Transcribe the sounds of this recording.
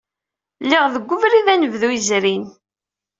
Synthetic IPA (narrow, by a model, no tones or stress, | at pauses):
lːiʁðəɡʷːʊvɾiðænəvðuizɾin